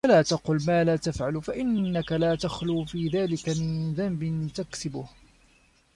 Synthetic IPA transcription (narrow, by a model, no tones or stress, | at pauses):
walaːt̪ɑqʊlmaːlaːt̪afʕalfaʔɪnːakalaːt̪axluːfiːðaːlɪkamɪðambɪnt̪aksɪbʊh